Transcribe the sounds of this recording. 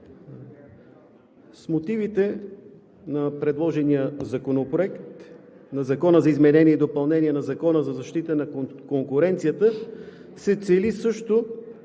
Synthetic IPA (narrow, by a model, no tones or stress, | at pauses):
smot̪ivit̪ɛ | nɐpɾɛd̪lˠɔʒɛnijəzɐkonopɾoɛkt̪ | nɐzɐkɔnəzɐizmɛnɛniɛid̪opɐlˠnɛniɛnɐzɐkɔnəzɐzɐʃt̪it̪ənɐkkoŋkʊɾɛnt̪sijət̪ə | sɛt̪sɛlisɤʃt̪o